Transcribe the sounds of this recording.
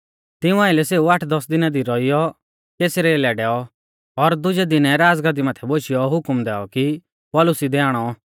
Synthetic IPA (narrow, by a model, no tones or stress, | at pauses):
t̪ɪũãːɪlɛseːuaʈʰd̪ɔsd̪ɪnad̪iɾɔijɔ | keːsɾeːlɛɖɛːɔ | ɔɾd̪ʊd͡ʒɛd̪ɪnɛɾaːd͡zɡad̪imat̪ʰɛboːʃɪjɔɦʊkmd̪ɛːɔki | pɔːlʊsid̪ɛaːɽ̃ɔ